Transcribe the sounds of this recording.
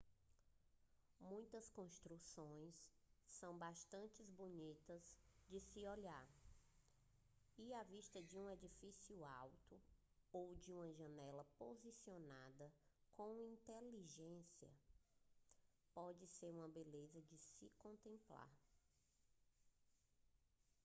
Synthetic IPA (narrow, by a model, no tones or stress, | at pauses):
mũj̃t̪ɐskõʃt̪ɾusõj̃sː | ɐ̃w̃baʃt̪ɐ̃nt͡ʃɪzbonit̪ɐzd͡ʒɪsɪoʎaɾ | iaviʃt̪ɐd͡ʒɪũed͡ʒifisiʊawt̪ʊ | owd͡ʒɪũmɐʒɐ̃nɛlɐpozisionad̪ɐkõw̃ĩnt̪eliʒẽsiɐ̰ | pɔd͡ʒɪseɾũmɐbelezɐd͡ʒɪsɪkõnt̪ẽmpla̰ɾ